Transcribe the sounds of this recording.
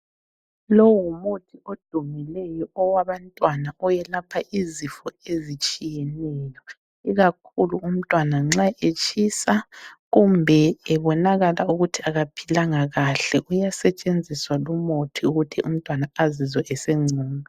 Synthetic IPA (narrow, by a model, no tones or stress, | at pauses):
lowumutʰiod̥ʱumilɛjɔɔwaβantʼwanaɔjɛlapʰaʔizifɔezit͡ʃʼijɛnɛːjɔ | iɣakʰuluum̩tʼwanaŋ͡ǁaʔet͡ʃʰʼisaɣumbʱɛɛβɔnaɣalauɣutʰiaɣapʰilaŋaɣaɬɛʔujasɛt͡ʃʼend͡zʱiswalumotʰiuɣutʰiʔum̩tʼwanaazizɔʔɛsɛŋ͡ǀʱuːŋa